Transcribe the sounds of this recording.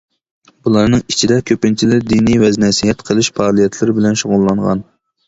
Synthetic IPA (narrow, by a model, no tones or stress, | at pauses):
bulˠɑɾnɨŋit͡ʃʰid̪ɛkʲʰøpɪnt͡ʃʰilɪɾd̪inijvɛznɛsiɦɛt̪qʰəlˠɨʃpʰɑːlˠijɛt̪ʰlɪɾɪbɪlɛnʃoʁʊlˠːɑɴʁɑ̰n